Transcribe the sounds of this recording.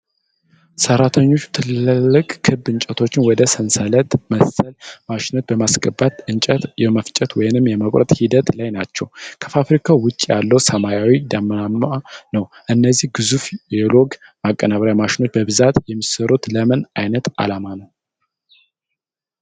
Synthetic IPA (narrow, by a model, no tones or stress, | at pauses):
səɾːat̪ʰəɲːo̞t͡ʃːt̪ʰɨlːɨlːɨkʼkʰːɨbːɨɲt͡ʃʼət̪ʰo̞t͡ʃːɪnwɔd̪əsənsələt̪məsːəlmaʃɪno̞t͡ʃ̪bəmasɡʼəbːat̪ɨnt͡ʃʼət̪jɛməft͡ʃʼɛt̪wɔjɪnɨmjɛməkʼɾə̰t̪ʼhid̪ət̪lajnat͡ʃːɛwkʰə̥fafɾikʰawʊt͡ʃʼːijalːəwsəmajawid̪amənamanəwʔɨnːəzːihɡɨzufjɛlo̞ɡmakʼːənaβɾjamaʃɪno̞t͡ʃːbəbɨzat̪jɛmːisəɾot̪ləmənajnət̪a̰lamanəw